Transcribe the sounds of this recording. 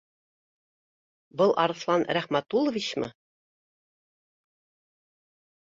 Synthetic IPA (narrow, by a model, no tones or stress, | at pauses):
bɤlˠʔɑɾɤ̆slˠɑnɾæχmæt̪ulˠɤ̆vʲit͡ɕmɤ̰